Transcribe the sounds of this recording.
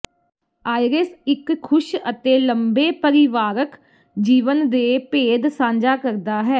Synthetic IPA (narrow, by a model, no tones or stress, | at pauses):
aːɪɾesɪkʰːʊʃət̪eːləmbeːpəɾɪʋaːɾək | d͡ʒiːʋənd̪eːpeːd̪sãːɲd͡ʒaːkəɾd̪aːɦɛː